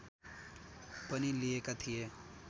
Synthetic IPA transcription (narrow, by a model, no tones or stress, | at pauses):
pəniliekat̪ʰije